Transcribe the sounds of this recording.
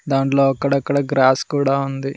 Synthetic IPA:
d̪aːɳʈloːɐkːɐɽɐkːɐɽɐɡɾaːskuːɽaːund̪i

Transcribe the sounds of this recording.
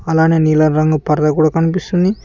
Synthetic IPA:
ɐlaːneːniːlɐnɾɐŋɡupɐɾd̪ɐkuːɽaːkɐnipist̪und̪i

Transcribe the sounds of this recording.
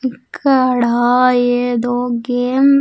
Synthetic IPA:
ikʰːɐɽaːjeːd̪oːɡeːm

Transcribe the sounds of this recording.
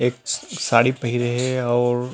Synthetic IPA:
eːk̚saːɽipɐɦiɾeɦɛɔːɾ

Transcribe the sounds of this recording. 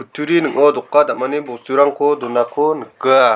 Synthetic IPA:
utʰːuɾinɯŋɔdɔkːadamanibɔsuɾaŋkʰɔdɔnakʰonɯkɯ

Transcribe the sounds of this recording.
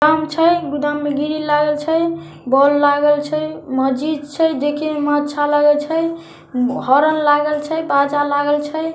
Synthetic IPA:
kamt͡ʃʰəjɡud̪amːeɡiɾilaɡəlt͡ʃʰəj | bɔlːaɡəlt͡ʃʰəjməd͡ʒid̪̚t͡ʃʰəjd̪ekʰimat̪ːʃʰalaɡəlt͡ʃʰəj | ɦɔɾənlaɡəlt͡ʃʰəjbad͡ʒalaɡəlt͡ʃʰəj

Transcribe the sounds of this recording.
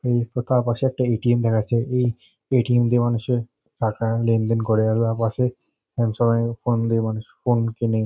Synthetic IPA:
ejt̪ot̪aɾpaʃeɛk̚ʈaeʈiemd̪ɛkʰat͡ɕʰeʔej | eʈiemd̪emanuʃe | ʈʰakalend̪enkɔɾealt̪aɾpaʃe | ɛmʃɔbaefond̪emanuʃfonkene

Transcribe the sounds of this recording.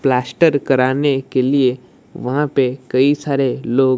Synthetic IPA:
plaːsʈəɾkɐɾaːnekelie | ʋɐɦãpekɐisaːɾeloːɡ

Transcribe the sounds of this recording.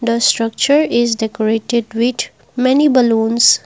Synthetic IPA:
d̪əsʈɾʌk̚t͡ʃəɾɪzɖɛkɔɾeːʈeɖʋɪd̪ | mɛnibəlũːns

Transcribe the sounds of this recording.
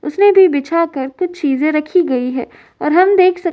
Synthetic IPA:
ʊsnebʱibɪt͡ʃʰakəɾkʊt͡ʃʰt͡ʃiːzẽɾɐkʰiɡɐiɦɛ̰ː | ɔ̰ːɾɦɐmd̪eːkʰsɐ

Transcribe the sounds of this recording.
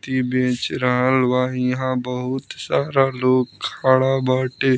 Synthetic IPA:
t̪ibẽːt͡ʃɾaɦəlʋaːiɦãbəɦʊt̪saːɾaloːɡkʰaːɽabaːʈeː

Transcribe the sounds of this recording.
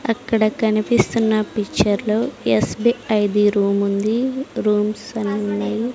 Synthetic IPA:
ɐkːɐɽɐkɐnipist̪unːɐpikːt͡ʃːɐɾloːesbiɐjd̪iɾuːmund̪iɾuːmsɐnunːɐj

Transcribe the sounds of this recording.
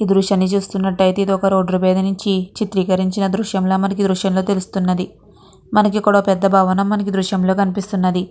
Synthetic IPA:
iːd̪ɾuʂjaːnːit͡ʃuːst̪unːɐʈːɐjt̪eid̪ɔkɐɾoːɖɾupɛːd̪ɐnuɲt͡ʃit͡ʃit̪ɾiːkɐɾiɲt͡ʃinɐd̪ɾuʃjɐmloːmɐnɐkid̪ɾuʃjɐmlo̞ːt̪e̞lust̪unːɐd̪i | mɐnɐkikuːɽɐpɛd̪ːɐbʱaːʋɐnɐmːɐnɐkid̪ɾuʂjɐmlo̞ːkɐnipist̪unːɐd̪i

